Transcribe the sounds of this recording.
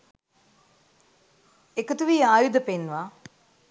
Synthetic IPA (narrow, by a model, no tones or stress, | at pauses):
ekət̪uʋiːaːjud̪əpenːuʋaː